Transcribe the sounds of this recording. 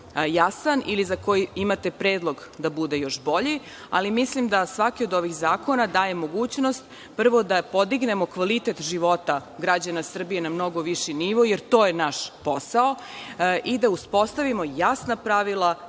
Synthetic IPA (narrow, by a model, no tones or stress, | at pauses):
jasanʔilizako̞jiimat̪e̞pɾe̞ːd̪lˠo̞ɡd̪abud̪e̞jo̞ʃbo̞ʎi | a̰limislimd̪asʋakio̞d̪o̞ʋixzaːko̞nad̪aːje̞mo̞ɡuːt͡ɕno̞st̪ | pr̩ʋo̞d̪apo̞d̪iɡne̞mo̞kʋalit̪e̞t̪ʒiʋo̞t̪aɡɾad͡ʑanasr̩bije̞namno̞ɡo̞ʋiʃiniʋojeɾt̪o̞ːjenaʃposao | ʔid̪auspo̞st̪aʋimo̞jasnapɾaʋilˠa